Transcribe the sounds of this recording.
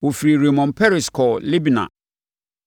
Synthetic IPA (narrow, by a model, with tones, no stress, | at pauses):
wo˨fi˨ɾi˨ɾe˨mɔ̃˨npʰɛ˦ɾi˨skʰɔ˨li˦bnã̰˨